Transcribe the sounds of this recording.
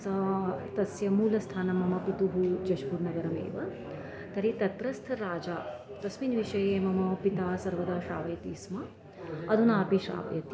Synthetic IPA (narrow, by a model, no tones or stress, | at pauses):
sɐt̪ɐsjɐmuːlɐst̪ʰaːnɐmɐmɐpit̪uɦud͡ʒɐʃpuːɾnɐɡɐɾɐmḛːʋɐ | t̪ɐɾit̪ɐt̪ɾɐst̪ʰɐɾaːd͡ʒaː | t̪ɐsminʋiʃɐjeːmɐmɐpit̪aːsɐɾʋɐd̪aːʂaːʋɐjɐt̪iːsmɐ | ɐd̪ʱunaːpiʃa̰ːʋɐjɐt̪i